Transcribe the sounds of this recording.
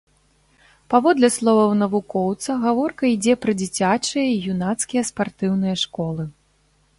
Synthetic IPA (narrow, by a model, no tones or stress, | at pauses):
pavɔd̪lʲɛslˠɔvɐwnɐvukɔwt̪sɐɣavɔrkɐid͡zʲɛpɾɐd͡zʲit͡sʲat͡ʂɨjɐjunat̪skʲijɐspart̪ɨwnɨjɐʂkɔlˠɨ